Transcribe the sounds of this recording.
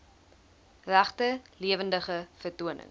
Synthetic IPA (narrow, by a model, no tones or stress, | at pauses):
ræχtəliəvəndəχəfərtuənə̰ŋ